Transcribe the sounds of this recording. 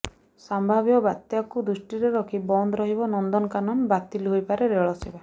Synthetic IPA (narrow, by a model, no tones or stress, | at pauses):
sambʱabjɔbat̪jakud̪usʈiɾeɾɔkʰibɔnd̪ɔɾɔɦibɔnɔnd̪ɔnkanɔnbat̪ilɦojpaɾeɾeɭɔsiba